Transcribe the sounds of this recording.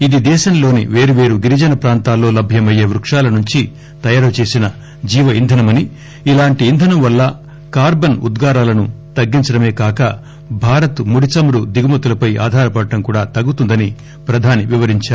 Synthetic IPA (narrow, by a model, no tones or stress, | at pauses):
id̪id̪ɛːʃɐmlo̞ːnḭʋe̞ːɾuʋe̞ːɾuɡiɾid͡ʒɐnɐpɾaːnt̪aːlːo̞ːlɐbʱjɐmɐjeːʋɾukʂaːlɐnuɲt͡ʃi | t̪ɐjaːɾɐt͡ʃe̞ːsinɐ | d͡ʒiːʋɐind̪ʱɐnɐmɐni | ilaːɳʈiːnd̪ʱɐnɐmʋɐlːɐ | kaːɾbɐnṵd̪ɡaːɾaːlɐnut̪ɐɡːiɲt͡ʃɐɽɐme̞ːkaːkɐ | bʱaːɾɐt̪muɽit͡ʃɐmɾud̪iɡumɐt̪ulɐpɐjʔa̰ːd̪ʱaːɾɐpɐɽɐːɐŋkuːɽaːt̪ɐɡːut̪und̪ɐni | pɾɐd̪ʱaːniʋiʋɐɾiɲt͡ʃaːɾu